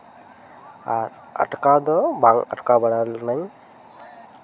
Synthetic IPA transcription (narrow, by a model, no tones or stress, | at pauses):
aɾ | a̰ʈkad̪ɔbaŋa̰ʈkabaɽalnaj